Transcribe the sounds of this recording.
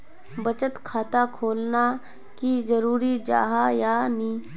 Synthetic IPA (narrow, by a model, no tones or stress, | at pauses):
bət͡ʃət̪kʰaːt̪akʰoːlna | kid͡ʒəɾuːɾid͡ʒa̰ːɦajaːnĩː